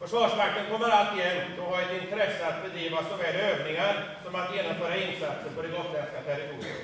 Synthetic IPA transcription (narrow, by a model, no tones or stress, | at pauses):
fœʂvɑːʂmakːənkʰɔmːəɾalt̪ɪjɛnd̪ɔhaɾɛt̪ɪnt̪ʰɾɛsːəat̪̚bɛd̪ɾiːvasɔvɛːløːvnɪŋaɾsɔmat̪jeːnɔmfœːɾaɪnsat̪səɾpɔd̪ɛɡɔt̪ːɛnskat̪ʰɛɾɪt̪ʰuːɾɪ̰ə̰